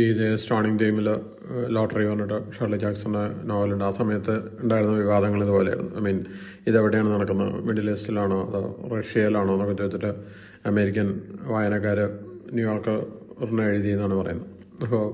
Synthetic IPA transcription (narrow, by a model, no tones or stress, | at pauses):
iiðesʈoːɳiŋɡd̪iːmil | loːʈɐriʋɐnːiʈːɨʂɐrlid͡ʑaːksɐnenoːʋɐluɳɖaːsɐmɐjɐt̪ːɨuɳɖaːjiɾunːɐʋiʋaːd̪ʱɐŋːɐɭiðɨpo̞ːlɐ̰jḭɽunːuɐ̰miːn | iðeʋiɽejaːɳɨnɐɽɐkːunːɐ̰meɽilestilaːɳoɐ̰ð̰rɐʂijɐlaːɳoːnːokːut͡ɕːuet̪ːiʈːɨ | ɐme̞ːɾikʲːɐnʋaːjɐnɐkːaːɾɨnuːjoːrkɨrnːɐeɻit̪ːijunːaːɳɨpɐrɐ̰junːɐðɨ | ɐpːoː